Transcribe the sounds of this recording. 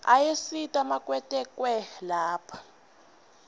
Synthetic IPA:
ajesitʼamakʼwɛtʼɛkʼwɛlaːpʰḁ

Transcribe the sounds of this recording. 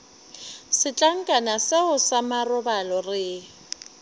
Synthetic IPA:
sɪt͡ɬʼaŋ̩kʼanasɪʊsamarʊbalɔrɪ

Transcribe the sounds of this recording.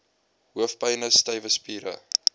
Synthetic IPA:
ɦuəfpɐjnəstɐjvəspiːɾə̰

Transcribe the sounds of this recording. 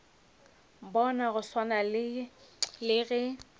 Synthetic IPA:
bɔnaɣʊswanal | lɪɣɛ

